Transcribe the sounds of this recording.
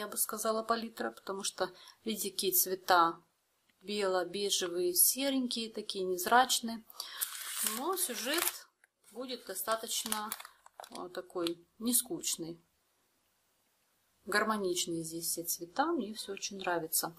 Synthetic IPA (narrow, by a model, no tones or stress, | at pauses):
jabɨskɐzalˠəpɐlʲit̪ɾəpə̥t̪ɐmuʂt̪ovʲidʲɪkʲijət̪svʲɪt̪a | bʲe̞lˠəbʲeʐɨvɨjəsʲeɾʲɪnʲkʲɪjət̪ɐkʲijənʲɪzɾat͡ɕnɨjə | nosʲʊʐɛt̪ | budʲɪt̪̚d̪ɐst̪at̪ət͡ɕnə | t̪ɐko̞jnʲɪskut͡ɕnɨj | ɡərmɐnʲit͡ɕnɨjəzʲdʲesʲsʲet̪svʲɪt̪amnʲefsʲoot͡ɕɪnʲnɾavʲɪt̪sə